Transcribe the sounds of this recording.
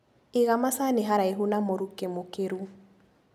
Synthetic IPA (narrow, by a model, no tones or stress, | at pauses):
ɪɣamasanɪɦaɾaeɦunamoɾukemokeɾu